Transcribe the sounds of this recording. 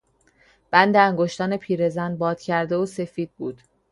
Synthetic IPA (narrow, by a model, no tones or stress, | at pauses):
b̥ænd̪eæŋɡoʃt̪ɒːne̞pʰiːɾe̞zænd̪̚bɒːd̪̥cʰæɾd̪e̞ose̞fiːd̪̥̚buːd̪̥